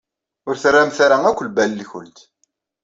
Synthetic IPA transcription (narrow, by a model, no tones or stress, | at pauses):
ʊɾθrːamθaɾaækʷːlbælːiçʊ̰lt̪